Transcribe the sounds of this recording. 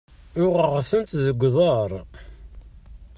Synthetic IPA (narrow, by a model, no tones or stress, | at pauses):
ʊʁəʁθənt̪ðəɡʷːðˤəɾˤ